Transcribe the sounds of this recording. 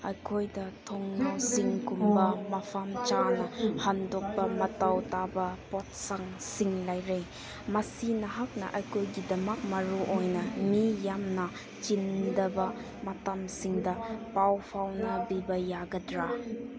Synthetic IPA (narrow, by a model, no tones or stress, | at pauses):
ɐjkʰojdɐtʰoŋnawsiŋkumbɐmɐpʰamt͡ʃanɐhandok̚pɐmɐtawtabɐpot̚saŋsiŋlajɾej | mɐsinɐɦak̚nɐ̰ʔɐjkʰojɡidɐmɐk̚mɐɾuʔojnɐmijamnɐ | t͡ʃindɐbɐ | mɐtamsiŋdɐpawpʰawnɐbibɐjaɡɐdɾa